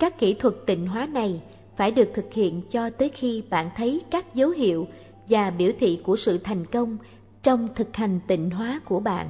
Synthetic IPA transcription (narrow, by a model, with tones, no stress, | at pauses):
kaː˦˥kːi˧˩t̪ʰwə˨˩t̚t̪ï˧˩ŋ̟ɦwaː˨˦na˨˩j | faː˧˩jɗɨ˨˩ək̚t̪ʰɨ˨˩k̚hḭ˧˨ənt͡ɕɔ˧t̪əː˨˦jxi˧ɓa̰ː˧˨nt̪ʰə˨˦jkaː˦˥k̚zə˨˦wɦḭ˧˨əw | vaː˨˩ɓi˧˩əwt̪ʰḭ˧˨ku˧˩əsɨ̰˧˨t̪ʰa˨˩jŋ̟kə˧wŋ͡m | t͡ɕɔ˧wŋ͡mt̪ʰɨ˨˩k̚ha˨˩jŋ̟t̪ï˧˨ŋ̟ɦwaː˨˦ku˧˩əɓa̰ː˧˨nʔ